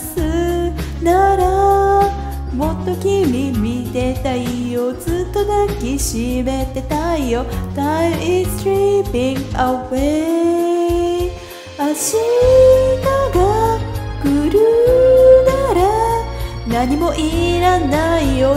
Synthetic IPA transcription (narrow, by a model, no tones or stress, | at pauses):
sɨ | naɾa | mo̞t̪ːo̞kʲimʲimʲit̪e̞t̪aijozɨt̪ːo̞d̪akʲːiɕime̞t̪e̞t̪aijot̪aʔist̪ɾipĩŋɡawe | aɕi | naɡa | kɯɾɯ | naɾa | naɲ̟imo̞ʔiɾanaijo